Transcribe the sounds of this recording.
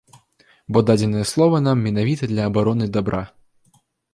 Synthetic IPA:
bɔd̪ad͡zʲɛnɨjɛslˠɔvɐnamːʲɛnavʲit̪ɐd̪lʲɐːbaɾɔnɨd̪abɾʔa

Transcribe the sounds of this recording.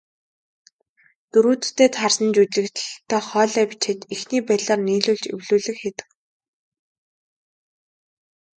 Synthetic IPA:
t̪ɵɾuːt͡s̪t̪ːeːt̪χarsə̆nt͡ɕut͡ɕɮɘ̆kt͡ɕ̪̆ɮt̪ʰːœːχɔːɮœːpi̥t͡ɕʰĕt̪ixniːpæɮaːrniːɮuːɮt͡ɕḛwɮuːɮɘ̆xxet̪ɘ̥̆k

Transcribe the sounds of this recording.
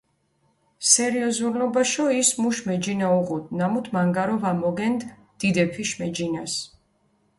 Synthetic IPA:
sɛɾiɔzuɾlɔbaʃɔismuʃmɛd͡ʒinauʁud̪namut̪ʰmaŋɡaɾɔvamɔɡɛnd̪ | d̪̥id̪ɛpʰiʃmɛd͡ʒinas

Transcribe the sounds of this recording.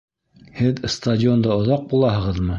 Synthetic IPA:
hɘðst̪ɐdʲɪo̞nd̪ɑŏðɑq̚bulˠɑɦɤ̆ʁɤðmɤ

